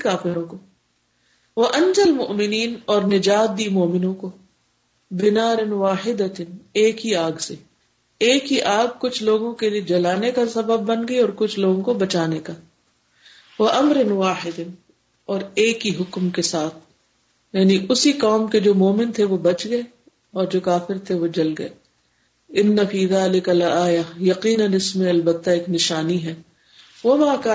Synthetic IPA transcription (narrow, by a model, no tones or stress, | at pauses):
kaːfɪɾõko | ʋɐʔɐ̃nd͡ʒɐlmʊʔmɪniːnɔːɾnɪd͡ʒaːt̪̚d̪iːmoːmɪnõko | bɪnaːɾɪnwaːħɪd̪ət̪ɪneːkɦiaːɡse | eːkiʔaːɡ̚kʊt͡ʃʰloːɡõkelied͡ʒɐlaːnekasɐbəb̚ːɐnɡɐiɔːɾkʊt͡ʃʰloːɡõkobɐt͡ʃaːneka | wɐʔɐmɾɪnwaːħɪd̪ɪn | ɔːɾeːkːiɦʊkmkesaːt̪ʰ | jaːniʔʊsikɔːmked͡ʒoːmoːmɪnt̪ʰeʋobɐt͡ʃɡɐe | ɔːɾd͡ʒoːkaːfɪɾt̪ʰeʋod͡ʒɐlɡɐḛː | ɪnːɐfiːðaːlɪkɐlaːjajɐqiːnɐnɪsmẽɐlbɐt̪ːaeːknɪʃaːniɦɛː | ʋɐmaːkaː